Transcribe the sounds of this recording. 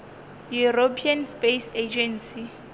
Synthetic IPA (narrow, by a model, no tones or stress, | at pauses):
juropʰianspesed͡ʒɛnsi